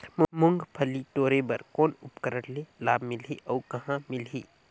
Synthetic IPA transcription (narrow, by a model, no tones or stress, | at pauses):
mmʊŋɡpʰəliʈoːɾebəɾkɔːnʊpkəɾəɽlelaːbʱmɪleʔɔːkɐɦãmɪlɦiː